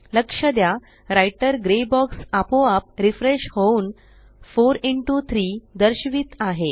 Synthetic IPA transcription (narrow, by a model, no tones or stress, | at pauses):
ləkʂəd̪ja | ɾajʈəɾɡɾebɔksapoap̚ɾifɾeɕhouːn | foɾeɳʈut̪ʰɾiːd̪əɾɕʋiːt̪aɦe